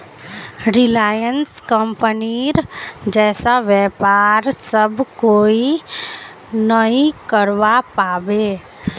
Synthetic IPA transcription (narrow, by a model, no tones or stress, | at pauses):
ɾɪlaːjənskə̃mpəniɾd͡ʒɛːsaʋjɛːpaːɾsəbkoːi | nəɦĩkəɾʋapaːbeː